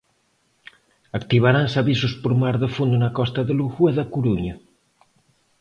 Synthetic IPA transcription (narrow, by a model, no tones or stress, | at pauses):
akt̪iβ̞aɾansaβisuspoɾmaɾðəfund̪unakɔst̪ɐðəluɣueðakuɾuɲɐ